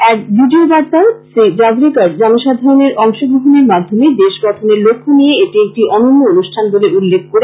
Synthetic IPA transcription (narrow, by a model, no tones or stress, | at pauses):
ɛɾbiɖiobaɾt̪aɾsid͡ʑabɾikaɾd͡ʑamoʃad̪ʱaɾoneɾʔɔŋʃoboɦoneɾmad̪ʱːomed̪eʃɡɔʈʰoneɾlokʰːonijeeʈiek̚ʈiʔɔnonːoonuʃʈʰanboleulːek̚ʰkoɾe